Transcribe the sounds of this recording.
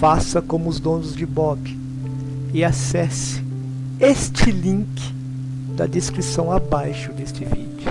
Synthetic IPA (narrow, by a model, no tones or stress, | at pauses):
fasɐkõmʊʊzd̪õnʊzd͡ʒɪbɔbɪ | ɪasɛsɪ̥ | est͡ʃɪlĩŋkɪ̥ | d̪ɐ̰d̪eskɾisɐ̃w̃abajʃʊd̪est͡ʃɪvḭd͡ʒʊ